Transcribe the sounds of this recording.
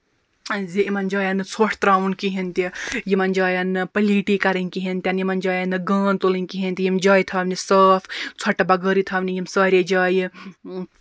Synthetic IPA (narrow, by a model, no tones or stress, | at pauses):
ziimɐnd͡ʒaːjɐnɨt͡sʰoːʈʰt̪ɾaːʋunkiɦint̪ijimɐnd͡ʒaːjɐnːɨpɐliːʈiːkɐɾinʲkiɦint̪ʲɐnjimɐnd͡ʒaːjɐnːɨɡaːnt̪oːlinʲkiɦint̪ijimd͡ʒaːjt̪ʰɐʋnisɐːft͡sʰɐʈɐbɐɡəːɾit̪ʰɐːʋnijimsaːɾʲed͡ʒaːji